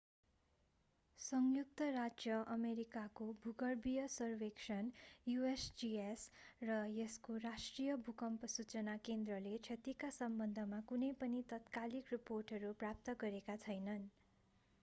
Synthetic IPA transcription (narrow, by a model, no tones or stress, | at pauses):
sʌŋjuk̚t̪ʌrad͡zjʌʔʌmeɾikakobʱuɡʌrbijʌsʌrweksʌnjuesd͡ʒiesrʌjʌskorasʈrijʌbʱukʌmpʌsut͡sʌnakend̪rʌlet͡sʰʌt̪ikasʌmbʌnd̪ʱʌmakunʌjpʌnit̪ʌt̪kalikriporʈɦʌɾuprap̚t̪ʌɡʌɾekat͡sʰʌjnʌn